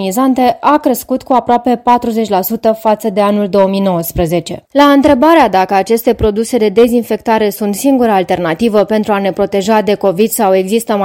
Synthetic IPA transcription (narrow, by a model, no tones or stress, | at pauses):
nizant̪e̞ʔakɾeskut̪kuapɾoape̞pat̪ɾuze̞t͡ʃʲlasut̪əfat̪səd̪e̞anuld̪o̞omijno̞wəspɾəze̞t͡ʃe̞̰laɨnt̪ɾe̞baɾead̪akəat͡ʃe̞st̪e̞pɾo̞d̪use̞d̪e̞d̪e̞zinfe̞k̚t̪aɾe̞sunt̪siŋɡuɾəalt̪e̞rnat̪ivəpe̞nt̪ɾuane̞pɾo̞t̪e̞ʒad̪e̞ko̞vid̪sawe̞ɡzist̪əm